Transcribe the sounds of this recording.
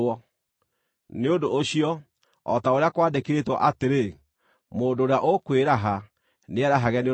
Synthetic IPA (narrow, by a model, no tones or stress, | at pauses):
ɔ | neodoːɕiɔ | ɔ̰taoɾeakwaːdekeɾetwɔ̰ʔateɾe | moːndoɾeaʔokweɾaɦa | neɛɾaɦaɣɛne